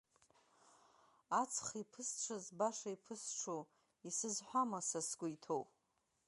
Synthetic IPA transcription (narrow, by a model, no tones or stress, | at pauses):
at͡sʰχipʰɨsʈ͡ʂʷʰazbaʂaipʰɨsʈ͡ʂʰo | isɨzħʷamasasɡʷʊitʰowpʼ